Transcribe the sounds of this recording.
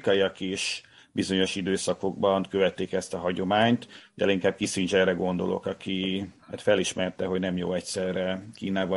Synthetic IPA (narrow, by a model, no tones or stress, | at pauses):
kɒiɒkeːʃ | bizo̞ɲo̞ʃid̪øːsɒko̞ɡ̚bɒnkøvɛt̪ːeːkɛst̪ɒɦɒɟo̞maːɲt̪d̪ɛ̰liŋkaːb̚kisynt͡ʃɛrɛɡo̞nd̪olo̰kɒkiɛ̰t̪fɛliʃmɛrt̪ɛɦo̞ɟnɛmjo̰ːɛcsɛrːɛkiːnaːvɒ